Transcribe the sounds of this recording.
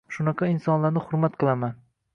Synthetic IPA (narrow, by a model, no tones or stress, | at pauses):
ʃʊnɑqʰɑɪnsɒnlaɾnɪχʊɾmat̪qʰɨlˠaman